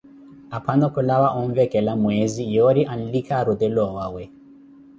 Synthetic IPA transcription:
apʰanɔkɔlawaʔɔɱvɛkɛlamwɛzijɔɾiʔan̩likʰaɾud̪ɛlɔwawɛ

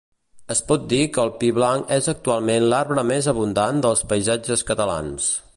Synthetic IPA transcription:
əspɔt̪̚d̪ikəːlˠpiβlaŋɛzək̚t̪ualˠmenlaɾβɾəmezəβund̪and̪əlˠspəjzad͡ʒəskət̪əla̰ns

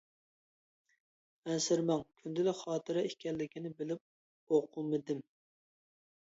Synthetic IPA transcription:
ɛnsɪɾmɑŋkʲʰynd̪ɪlɪχɑːt̪ʰɨɾɑekʲʰɛlːɪkʲinɪbɪlɪp̚ | oqʰulmɨd̪ɪm

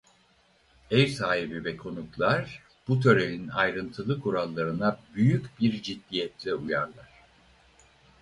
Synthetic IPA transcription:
ɛjsaːɦibivɛkʰo̞nuklˠaɾ | b̥ut̪ʰø̞ɾelʲinajɾɯnt̪ʰɯlˠɯkʰuɾalˠːaɾɯnabyjycbiɾd͡ʒid̪ːijɛt̪ʰlʲɛujaɾlˠaɾ̝̥

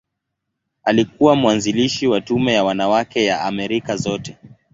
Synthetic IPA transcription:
alikuwamuwanziliʃiwatumɛjawanawakɛjaamɛɾikazɔtɛ

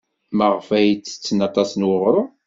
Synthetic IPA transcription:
məʁfæjt͡sːə̥t͡sːnɑt̪ˤɑsənwəʁɾʊ

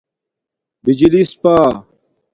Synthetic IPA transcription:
bid͡ʑilispaː

